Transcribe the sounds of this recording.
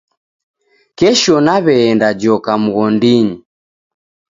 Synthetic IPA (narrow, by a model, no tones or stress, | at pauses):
kɛʃɔnaβɛːndad͡ʒɔkam̩ɣɔndiɲi